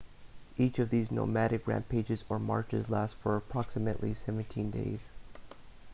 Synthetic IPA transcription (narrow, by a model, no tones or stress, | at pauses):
it͡ʃʌvðizno̰mæɾɨkɹæ̰̃npʰeɪd͡ʒɨzə˞mɑ̰ɹt͡ʃɨzlæstfə˞əpʰɹ̥ɑksɨmɨʔlisɛvɨ̃ntʰĩndḛɪz̥